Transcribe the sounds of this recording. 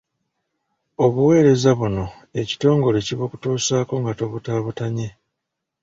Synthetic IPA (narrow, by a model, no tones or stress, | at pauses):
o̞βuwe̞ːɾe̞zaβuno̞ | e̞ci̥to̞ːŋɡo̞le̞ciβoku̥tuːsaːko̞ŋɡato̞βutaːβutaɲe̞